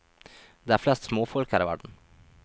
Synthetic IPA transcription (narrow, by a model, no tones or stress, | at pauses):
d̪eːæːflɛst̪smoːfɔlkʰæːɾiːʋæ̰ɖɳ̩